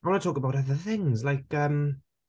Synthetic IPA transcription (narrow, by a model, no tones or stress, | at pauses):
wɛnatʰɔːkəbaʊtʌðəθɪ̃ŋzlaɪkʰəm